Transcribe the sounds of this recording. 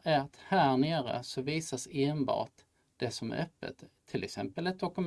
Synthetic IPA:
æt̪hæːɳeːɾə̰sɔviːsaseːnbɑ̰ːʈ | d̪̥ɛsɔmæ̰ʔœpːə̰t̪ʰːɪlɛ̰ksɛmpəlɛt̪̚d̪ɔkɵm

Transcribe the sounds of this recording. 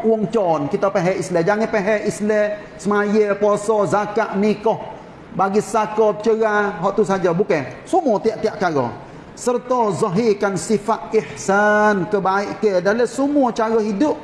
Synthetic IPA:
wɔŋt͡ʃɔnkit̪ɔpɛɦɛislɛd͡ʒaŋɪnpeɦɛislɛ | səmajəpɔsɔzakaʔnikɔh | baɡisakɔpə̥t͡ʃəɣaɦɔʔt̪usad͡ʒabukɛsumut̪iaʔt̪iaʔkaɾɔ̰ | sərt̪ɔzɔɦikansifat̪̚ɪħsankəbaiʔkədaləsumuət͡ʃaɾɔɦidʊʔ̚

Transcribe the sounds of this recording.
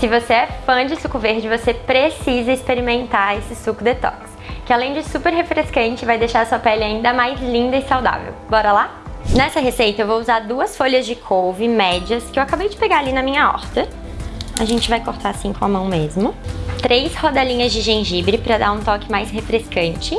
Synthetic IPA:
sɪvoseɛfɐ̃d͡ʒɪsukʊveɾd͡ʒɪvosepɾesizɐispeɾimẽnt̪aesɪsukʊd̪et̪ɔ̰kɪ̥skɪalẽj̃d͡ʒɪsupeɾɦefɾeskɐ̃nt͡ʃɪvajd̪ejʃaɾɐsuɐpɛlɪaĩnd̪ɐmajzlĩnd̪ɐɪsawd̪a̰vḛwbɔɾɐla | nɛsɐɦesejt̪ɐewvouzaɾd̪uɐsfoʎɐzd͡ʒɪkʰowvɪmɛd͡ʒiɐskɪewakabejd͡ʒɪpeɡaɾalinɐmĩɲɐɔ̰ɾt̪ɐ | ɐʒẽnt͡ʃɪvajkoɾt̪ʰaasĩkõɐmɐ̃w̃mezmʊt̪ɾejshod̪ɛlĩɲɐzd͡ʒɪʒẽʒibɾɪpɾɐd̪aɾũt̪ɔkɪmajsɦefɾeskɐ̃nt͡ʃɪ

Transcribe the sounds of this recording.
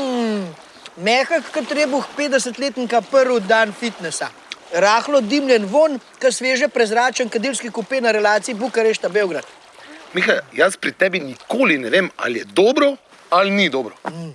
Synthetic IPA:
mɛːxakkɐt̪ɾeːbuxpeːt̪d̪ɛs̬ət̪leːt̪nikapəɾʋud̪anfit̪nɛsa | ɾaːxlɔd̪imljɛnʋonkasʋeːʒɛpɾɛzɾaːt͡ʃənkɐd̪ilskikupeːnaɾɛlaːt̪siibukɐɾeʃt̪abeːwɡɾat̪ | mixajaspɾit̪ɛːbinikoːlinɛʋeːma̰ljɛd̪oːbɾɔ | alnid̪oːbɾɔ

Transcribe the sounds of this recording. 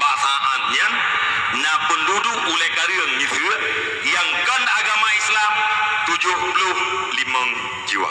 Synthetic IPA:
basaʔat̪̚ɲa | nabəlːudu | ulɛhkaɾiəŋisə | jaŋkandaɡamaislamt̪ud͡ʒʊhpəlʊh | limaŋ | d͡ʒiwa̰

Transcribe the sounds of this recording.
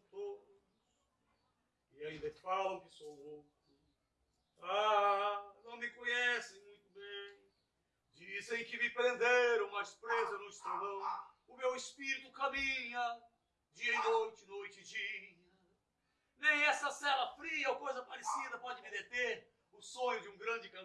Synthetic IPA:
t̪od̪ | ʊs | ɪaĩd̪ɐfalɐ̃w̃kɪsovowt̪ʊ | a | nɐ̃w̃mɪkõɲɛsẽj̃mũj̃t̪ʊbẽj̃ | d͡ʒisẽj̃kɪmɪpɾẽnd̪eɾɐ̃w̃mɐspɾezenɐ̃w̃ɪst̪elowʊmewɪspiɾit̪ʊkamĩɲɐ | d͡ʒiɐinojt͡ʃɪnojt͡ʃɪd͡ʒiɲɐ | nẽj̃ɛsɐsɛlɐfɾiɐokojzɐpaɾesid̪ɐpɔd͡ʒɪmɪd̪et̪eɾ | ʊsõɲʊd͡ʒɪũɡɾɐ̃d͡ʒɪkɐ̃

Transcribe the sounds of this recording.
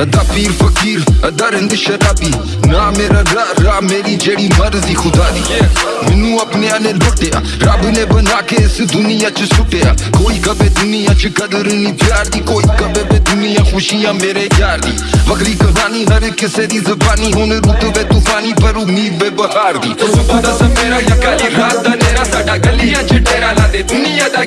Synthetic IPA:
d̪aːpiːɾfɐkiːɾɐd̪ɐɾɦɪ̃nd̪ɪʃɐɾaːbiː | naːmeːɾaɾaɾaːmeːɾid͡ʒeːɽiːmɐɾziːxʊd̪aːd̪iː | mɪnũːɐpneɐnẽboːʈeːa̰ːɾaːbnẽːbənaːkeɪsd̪ʊnɪjaːt͡ʃsʊʈeːa̰ːkoːiːkɐbeːd̪ʊnɪjaːt͡ʃkɐd̪əɾniːpjaːɾd̪iːkoːikɐbeːbed̪ʊnɪjãːxʊʃijãːmeːɾed͡ʒjaːɾd̪ḭːbɐɡɾikɐbaːniɦɐɾkɪseːd̪iːzɐbaːniɦoːneɾuːt̪bed̪ʊkaːnipɐɾunibeːbəɦaːɾd̪ḭːd̪smeːɾaɐkaliɾaːd̪aneɾaːaaɡɐlijat͡ʃʈeːɾaad̪ed̪ʊnɪja

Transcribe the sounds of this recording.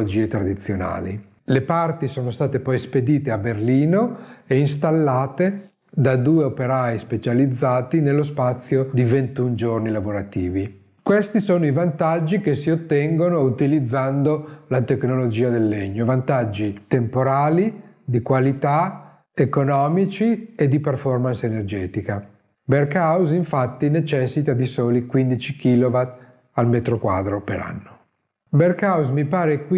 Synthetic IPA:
od͡ʒiːet̪ɾad̪it̪sːjona̰ːlḭ | lepart̪isoːnost̪aːt̪epɔjsped̪iːt̪eaberliːnoeinst̪alːaːt̪e | d̪ad̪uːeopeɾajspet͡ʃalid̪zːaːt̪inelːos̬pat̪sːjod̪ivent̪und͡ʒornilavoɾat̪iːvi | kwest̪isoːnoivant̪ad͡ʒːikesːiot̪ːɛŋɡonout̪ilid̪zːand̪olat̪eknolod͡ʒiːad̪elːeɲːovant̪ad͡ʒːit̪empoɾaːli | d̪ikwalit̪a | ekonɔːmit͡ʃied̪iperfɔrmansenerd͡ʒɛːt̪ika | berkawziɱfat̪ːinet͡ʃɛsːit̪ad̪isoːlikwind̪it͡ʃik̟iːlovat̪ | almet̪ɾokwa̰ːd̪ɾopeɾa̰nːo | berkawzmipaːɾekwi

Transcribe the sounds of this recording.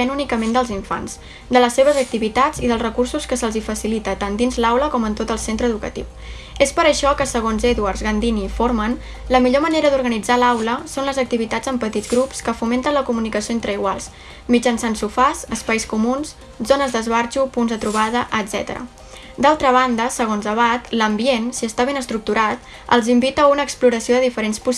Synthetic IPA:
ɛnunikəmend̪əlˠziɱfa̰nz | d̪ələsːeβ̞əzək̚t̪iβit̪ad͡ziðəlˠzrəkursuskəsəlˠzifəsilit̪ət̪and̪inzlawləkɔmənt̪ot̪əlˠsent̪ɾəðukə̰t̪ḭw | espəɾəʃɔkəsəɣ̞onzɛðuaɾzɣənd̪inifoɾmən | ləmiʎoməneɾəðuɾɣənid͡zalawləsonləzək̚t̪iβit̪ad͡zəmpət̪idd͡zɣɾupskəfument̪ənləkumunikəsioent̪ɾəiɣwa̰lˠs | mid͡ʒənsansufasəspajskumuns | zonəzðəzβaɾt͡ʃupunzðət̪ɾuβ̞aðəʔəd̪zɛ̰t̪ə̰ɾə̰ | d̪alˠt̪ɾəβ̞and̪əsəɣonzəβ̞at̪ləmbiensiəst̪aβ̞enəst̪ɾuk̚t̪uɾat̪̚ | ə̰lˠzimbit̪əːunəːkspluɾəsioðəðifəɾenspus

